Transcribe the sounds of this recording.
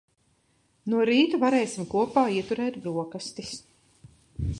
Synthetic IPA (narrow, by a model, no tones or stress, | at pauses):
nuɔɾiːt̪uvaɾɛːjsʲimkuɔpaːiɛt̪uɾɛːt̪bɾuɔkast̪is